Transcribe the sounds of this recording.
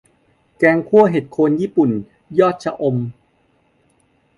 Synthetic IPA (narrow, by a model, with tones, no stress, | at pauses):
kɛː˧ŋkʰu˥˩əɦe˨˩t̪̚kʰoː˧njiː˥˩pu˨˩n | jɔː˥˩t̪̚t͡ɕʰa˧ʔo˧m